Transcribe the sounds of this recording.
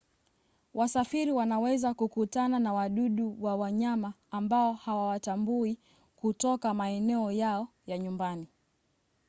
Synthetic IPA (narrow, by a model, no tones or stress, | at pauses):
wasafiɾiwanawɛzakukutananawaɗuɗuwawaɲamaːmbaɔhawawatambui | kutɔkamaɛnɛɔjaɔ | jaɲumbani